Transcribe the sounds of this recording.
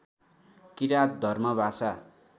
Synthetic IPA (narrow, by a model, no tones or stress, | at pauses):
kiɾat̪̚d̪ʱʌrmʌbʱasa